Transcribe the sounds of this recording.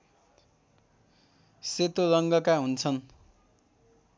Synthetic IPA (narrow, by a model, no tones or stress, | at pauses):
set̪olʌŋɡʌkaɦunt͡sʰʌn